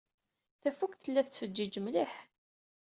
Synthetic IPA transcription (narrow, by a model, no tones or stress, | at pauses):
θæfukθəlːæθət͡sːfəd͡ʒːid͡ʒəmliħ